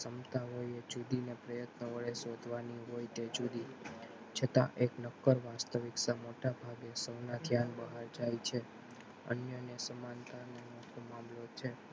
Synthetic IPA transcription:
səmt̪ãɦojed͡ʒud̪inepɾəjət̪nəʋəɭesod̪ʱʋaniɦojt̪ed͡ʒud̪i | t͡ʃʰət̪ã̰ʔeknəkːəɾʋast̪əʋɪksamoʈabʱaɡesəwnad̪ʱjanbəɦaɾd͡ʒajt͡ʃʰe | ə̰njənesəmant̪anemoʈʰomamlot͡ʃʰe

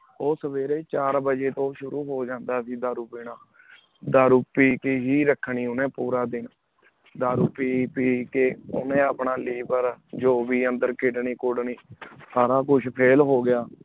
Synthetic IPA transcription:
oːsəʋeːɾeːt͡ʃaːɾbəd͡ʒeːt̪õːʃʊɾuːɦoːd͡ʒãːnd̪aːsiːd̪aːɾʊpeːnaː | d̪aːɾʊpiːkeɦiːɾəkʰɳiːʊnẽːpuːɾaːd̪ɪn | d̪aːɾʊpiːpiːkeːʊ̰nẽːəpɳaːliːbəɾd͡ʒoːʋiːənd̪əɾkʰɪɖniːkʊɽniːsaːɾaːkʊt͡ʃʰpʰeːlɦoːɡɪjaː

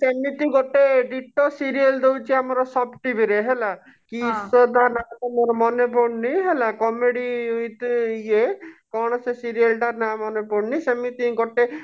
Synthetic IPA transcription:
semit̪iɡɔʈeɖiʈɔsiɾield̪ewt͡ʃʰiamɔɾɔsɔbʈibʱiɾeɦela | kisɔt̪aɾnat̪amɔɾɔmɔnepɔɽniɦelakɔmeɽijt̪uiekɔɽ̃ɔsesiɾialʈaɾnamɔnepɔɽnisemit̪ĩɡɔʈe

